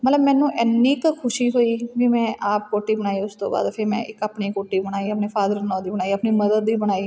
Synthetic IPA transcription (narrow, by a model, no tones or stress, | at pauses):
mət̪ləbmɛ̃ːnũːʔɛːnːiːkkʰʊʃiːɦoːiːʋimɛ̃ːʔaːp̚koːʈiːbənaːiʊst̪õ̰ːba̰ːd̪pʰɪɾmɛ̰̃ːʔɪkəpniːkoːʈiːbəɽ̃aːiːəpneːfʰaːd̪əɾnɔːd̪iːbənaːiːəpniːməd̪əd̪ʋiːbəɽ̃aːiː